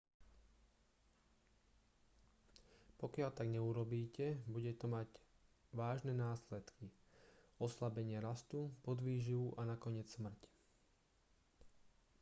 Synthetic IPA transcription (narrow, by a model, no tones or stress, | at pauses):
pɔkɪaʎt̪aɡɲɛuɾɔbiːcɛbuɟɛt̪ɔmaɟ | ʋaːʒnɛnaːslɛt̪ki | ɔslabɛɲɪɛɾast̪upɔd̪ʋiːʒiʋuʔanakɔɲɪɛt͡ssmr̩c